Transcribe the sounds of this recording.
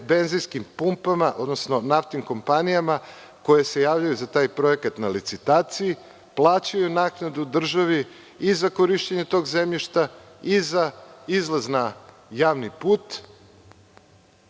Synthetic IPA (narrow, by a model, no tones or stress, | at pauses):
be̞nzijskimpumpamaʔo̞d̪nosno̞naft̪iŋko̞mpanijama | ko̞jese̞jaːʋʎajuzat̪aːjpɾo̞ekat̪nalit̪sit̪aːt̪siji | plˠaːt͡ɕajunaːknad̪ud̪r̩ʒaʋi | izakoɾiʃt͡ɕeɲet̪o̞ːɡzemʎiʃt̪a | izaizlazna | jaːʋnipuːt̪